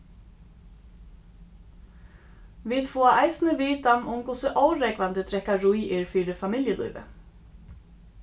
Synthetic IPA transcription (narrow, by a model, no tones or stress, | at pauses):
vɪðfɔːaʔajsnɪvɪːt̪amʊmkʊsɪʔoːwɾɛkvant̪ɪt̪ʰɾɛhkːaɾujɪɾfiːɾɪfamɪljəlṵːjvɪ̰